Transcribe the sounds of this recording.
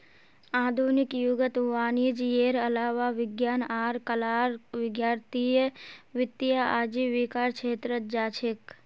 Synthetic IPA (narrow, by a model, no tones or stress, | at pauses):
aːd̪ʱunɪkjuɡət̪ʋaːnid͡ʒjeːɾəlaːʋaʋɪɡjaːnaːɾkəlaːɾʋɪɡjaːɾt̪ijəʋɪt̪ːjaaːd͡ʒiʋikaːɾt͡ʃʰeːt̪ɾəd͡ʒaːt͡ʃʰek